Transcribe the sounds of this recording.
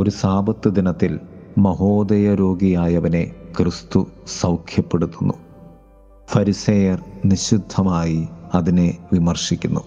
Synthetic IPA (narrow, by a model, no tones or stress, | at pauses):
o̞ɾusaːbɐt̪ːɨd̪inɐt̪ːilmɐɦo̞ːd̪ɐjɐɾo̞ːɡijaːjɐʋɐne̞kʰrɨst̪usɐwkʰjɐpːeɽut̪ːunːu | fɐɾisɐjɐrniɕid̪ʱːɐmaːjiɐðine̞ʋimɐrʂikʲːunːu